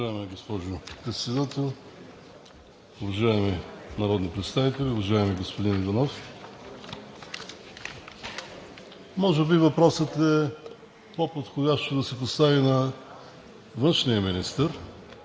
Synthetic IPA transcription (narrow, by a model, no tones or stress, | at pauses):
aɛmɛɡospɔʒʊpɾɛt̪sɛd̪at̪ɛlˠ | ʊvɐʒaɛminɐɾɔd̪nipɾɛt̪st̪avit̪ɛlʲiʊvɐʒaɛmiɡospod̪inivɐnɔf | mɔʒɛbivɐpɾɔsət̪ɛ | popot̪xodʲjaʃt̪od̪ɐsɛpost̪avinɐ | vɤnʃnijəminist̪əɾ